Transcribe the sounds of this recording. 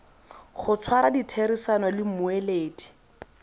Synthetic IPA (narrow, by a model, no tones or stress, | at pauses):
χʊt͡sʰwaɾaditʰeɾisanɔlɪm̩mʊeleːdi̥